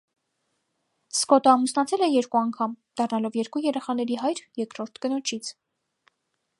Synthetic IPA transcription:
skɔt̪əɑmusnɑt͡sʰɛlɛjɛɾkuɑŋkʰɑmd̪̥ɑrnɑlɔvjɛɾkujɛɾɛχɑn̪ɛɾiɦɑjɾjɛkɾɔɾt̪ʰkənɔt͡ʃʰit͡sʰ

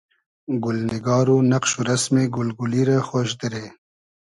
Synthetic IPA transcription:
ɡʊlnɪɡɑːɾunaqʃuɾasmeɡʊlɡuliɾaxoːʃd̪əɾe

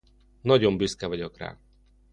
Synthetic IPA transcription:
nɒɟombyskɛvɒɟokra̰ː

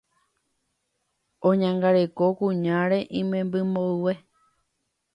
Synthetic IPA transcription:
õɲãŋɡaɾe̞ko̞kũɲãɾe̞ʔĩmẽmbɨmoɨwe

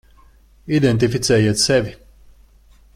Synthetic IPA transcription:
id̪ent̪̬ifit̪sʲɛːjiɛt̪sɛvʲi

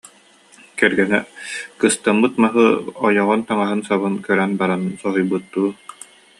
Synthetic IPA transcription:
kɛɾɡɛnɛkɯst̪amːɯt̪maɦɯɔjɔʁɔnt̪aŋaɦɯnsaβɯnkœɾɛnbaɾansɔɦɔjbɯt̪ːuː

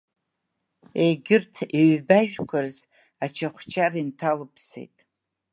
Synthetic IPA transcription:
ejɡʲɪrtʰiɥbaʒᶣkʷʰarz | at͡ʃʰaχʷt͡ʃʰʼarintʰalɨpʰsḛjtʼ

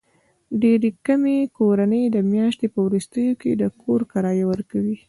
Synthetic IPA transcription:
ɖeɾekamekoɾanəjd̪əmjɑʃt̪epəwɾust̪əjoked̪əkʰoɾkaɾɑjawəɾkawi

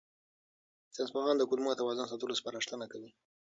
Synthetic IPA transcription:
t͡sanspaɣɑnd̪əkulmuat̪awɑzɑns̬ɑt̪ulospaɾaʂt̪ənakawi

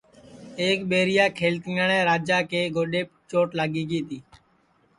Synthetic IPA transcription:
eːkɓeːɾɪjaːkʰeːlt̪ɪŋəɳɛ̃ːɾaːd͡ʒaːkeːɡoːɗeːpt͡ʃoːʈlaːɡiːɡiːt̪iː

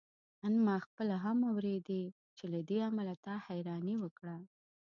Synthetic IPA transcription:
anmɑxpəlaɦamawɾed̪e | t͡ʃelad̪eamalat̪ɑhajɾɑniwəkɽa

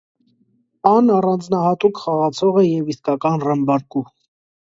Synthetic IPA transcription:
ɑnɑrɑnd͡znɑhɑt̪ukχɑʁɑt͡sʰɔʁɛjɛviskɑkɑnrəmbɑɾku

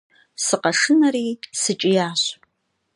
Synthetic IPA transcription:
sɨqɐʂɨnɐɾiːsɨt͡ʃʼɪjaːɕ

